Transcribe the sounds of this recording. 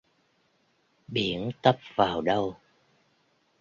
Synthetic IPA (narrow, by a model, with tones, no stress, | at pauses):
ɓi˧˩˦ənt̪ə˦˥p̚vaː˨˩wɗə˧w